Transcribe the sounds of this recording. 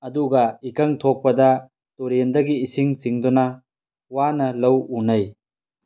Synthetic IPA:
ɐd̪uɡɐikɐŋt̪ʰok̚pɐd̪ɐ | toɾend̪ɐɡiːsiŋt͡ʃiŋd̪unɐ | wanɐlɐwunɐj

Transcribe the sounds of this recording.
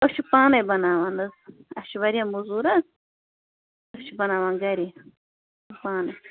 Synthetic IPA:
oʃʰupãːnɐjbɐnaːʋaːnɐzɐʃʋɐɾiɐ̃muzuːɾɐz | oʃʰubɐnaːʋaːnɡɐɾi | paːnɐ

